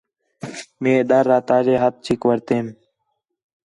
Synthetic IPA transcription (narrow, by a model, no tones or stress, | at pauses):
mẽːɗ̪əɾːaːt̪aːd͡ʑeːɦət̪̚t͡ʃʰikʋəɾt̪eːm